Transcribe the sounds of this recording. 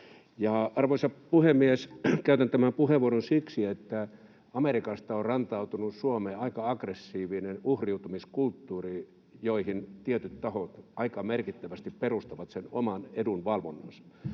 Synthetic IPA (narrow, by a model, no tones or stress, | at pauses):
jɑɑrʋoisɑpuhemːieskæyt̪ænt̪æmæmpuheʋuoronsiksiet̪ːæ | ɑmerikɑst̪ɑorrɑnt̪ɑut̪unussuomeːɑikɑɑkresːiːʋinenuhriut̪umiskult̪ːuːri | joihint̪iet̪yt̪t̪ɑhot̪ɑikɑmerkit̪ːæʋæst̪ipperust̪ɑʋɑt̪senomɑnedunʋɑlʋonːɑnsɑ̥